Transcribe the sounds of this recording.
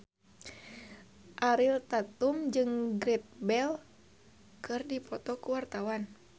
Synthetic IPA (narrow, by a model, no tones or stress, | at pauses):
ʔaɾilt̪at̪umd͡ʒɨŋɡɾɛt̪̚bɛl | kɨrdipɔt̪ɔkuwart̪awan